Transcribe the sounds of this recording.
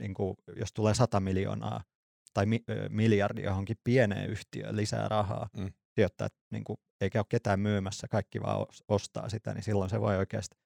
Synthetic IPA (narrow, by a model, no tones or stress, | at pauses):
niːŋkujost̪uleːsɑt̪ɑmiljo̰nɑ̰ː | t̪ɑimimiljɑrdḭjohoŋkippienḛːyht̪iø̰lisæ̰ːrʔɑhɑ̰ː | t̪iøt̪ːæ̰ːet̪nḭːŋku | eikæokket̪æːmmyːmæsːækɑikːiʋɑ̰ːo̰sost̪ɑ̰ːsit̪æ̰nḭsilːonseʋo̰ioikeːst̪